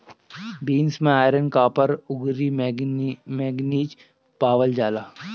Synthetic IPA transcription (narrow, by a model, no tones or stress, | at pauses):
biːnsmẽaːɪɾənkaːpəɾʊɡɾi | meːɡniːd͡ʒ | paːʋəld͡ʒaːlaː